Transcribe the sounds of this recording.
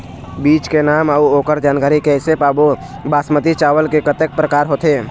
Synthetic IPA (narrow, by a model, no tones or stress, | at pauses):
biːt͡ʃkenaːməuoːkəɾd͡ʒaːnkaːɾikɛːsepaːbo | baːsmət̪it͡ʃaːʋəlkekət̪ək̚pɾəkaːɾɦoːt̪eː